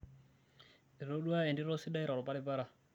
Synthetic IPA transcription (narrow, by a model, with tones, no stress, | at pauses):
i˨ɾo˦du˦a˦ɛ˨ndi˦ɾɔ˦si˦da˦i˦ɾa˨ɾɔ˨pa˦lɪ˦pa˦ɾa˦˨